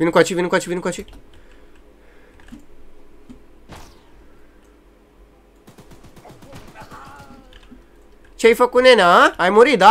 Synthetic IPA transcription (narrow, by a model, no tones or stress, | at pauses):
ʋinkat͡ʃʰiʋinkɔt͡ʃʰiʋinkɔt͡ʃʰi | t͡ʃʰejfɐkunenaːjmuɾid̪a